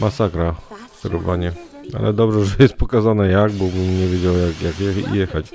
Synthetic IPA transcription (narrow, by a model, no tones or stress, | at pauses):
masakɾafk̪ɛɾɔvaɲɛ | a̰lɛ̰d̪ɔbʐɛʐɛjɛst̪̚pɔkazanɛjaɡbɔbɘmɲɛvʲjed͡ʑawajakjakjɛxḭjɛxat͡ɕ